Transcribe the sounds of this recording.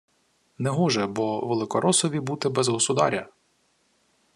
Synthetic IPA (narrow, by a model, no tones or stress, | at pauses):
nɛɦɔʒɛbɔʋelˠɪkɔɾɔsɔʋʲibut̪ɪbɛzɦɔsʊd̪ɑ̰ɾʲɐ